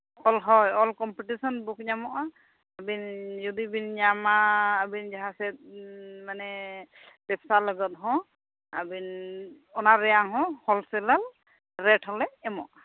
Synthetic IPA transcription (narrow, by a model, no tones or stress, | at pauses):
ɔlɦɔjɔlkɔmpiʈisɔnbuk̚ɲamɔʔaː | binjud̪ibinɲamaːbind͡ʒaɦasɛt̚manɛ | b̥ɛpsalɔɡɔt̪̚ɦɔ̃ | abin | ɔnaɾɛjaŋɦɔ̃hɔlsɛlal | ɾɛʈʰɦɔlɛɛmɔʔa